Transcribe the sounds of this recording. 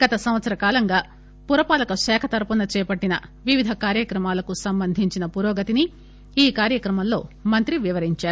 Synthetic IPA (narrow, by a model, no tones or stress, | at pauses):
ɡ̥ɐt̪ɐsɐmʋɐt̪sɐɾɐkaːlɐŋɡaː | puɾɐpaːlɐkɐʂɛːkʰɐt̪ɐɾpunɐt͡ʃɛːpɐʈːinɐʋiʋid̪ʱɐkaːɾjɐkɾɐmaːlɐkusɐmbɐnd̪ʱiɲt͡ʃinɐpuɾɔːɡɐt̪ini | iːkaːɾjɐkɾɐmɐllːo̞̰ːmɐnt̪ɾiʋiʋɐɾiɲt͡ʃaːɾuu